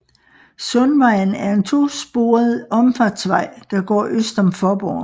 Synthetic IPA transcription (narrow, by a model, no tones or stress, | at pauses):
sɔnʋɑ̈ɪ̰n̩æɐe̝nt͡sʰo̝̰ːsb̥o̝ːɐð̩ˠɒ̽mfɑd̥sʋɑ̈ɪ̰d̥ɑ̈ɡ̥ɒ̰ːʔøsd̥ɒ̽mfɒb̥ɒ̰ː